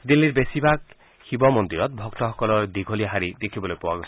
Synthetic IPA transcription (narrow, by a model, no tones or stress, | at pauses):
d̪ilːiɾbesibʱak | xibɔmɔnd̪iɾɔt̪̚bʱɔkt̪ɔxɔkɔlɔɹd̪iɡʱoliaɦaɾid̪ekʰibɔlojpɔwaɡosʰ